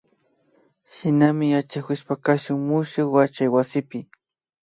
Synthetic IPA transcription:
ʃɪnamɪjat͡ʃakʊʃpakaʃʊŋmʊʃʊkwat͡ʃajwasɪpɪ

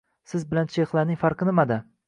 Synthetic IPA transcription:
sɪzbɪlant͡ʃʰeχlˠanɪŋʲfaɾqɨnɪmad̪a

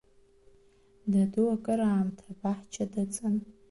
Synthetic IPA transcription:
daduwakʼaɾaːmtʰabaħt͡ʃʰadat͡sʼɨn

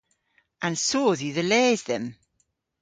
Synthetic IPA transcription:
ãnsoːðiːðəleːzðɛm

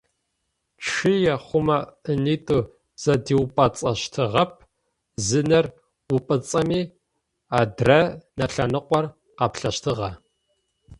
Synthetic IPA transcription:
t͡ʃʰɨjɛχʷʊmɐəniːtʼuː | z̥ɐdiːwpʼɐt͡sʼɐɕtʰɨʁɐp̚ʰ | zɨnɐr | ʊpʼɨt͡sʼɐmiː | aːdrɐnɐɬɐnɨqʷʼɔr | qɑpɬɐʃtʰɨʁɐ

